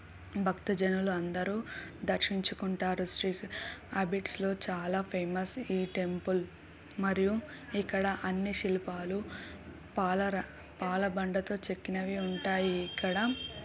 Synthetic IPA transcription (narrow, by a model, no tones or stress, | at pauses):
bʱɐkt̪ɐd͡ʒɐnuluɐnd̪ɐɾuːd̪ɐɾʂiɲt͡ʃukuɳʈaːɾusʈɾikɐbiʈslo̞ːt͡ʃaːlaːpʰeːmɐsiːʈe̞mpul | mɐɾiju | ikːɐɽɐʔɐnːiʃilipaːlu | paːlɐɾɐ | paːlɐbɐɳɖɐt̪o̞ːt͡ʃe̞kːinɐʋiuɳʈaːjiːkːɐɽɐ